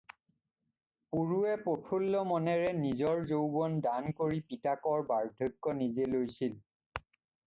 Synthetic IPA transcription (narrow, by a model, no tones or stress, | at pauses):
puɹuɛpɹopʰulːɔmɔnɛɹɛnizɔɹzowbɔndankoɹipitakɔɹbaɹdʱɔjkːɔnizelojsil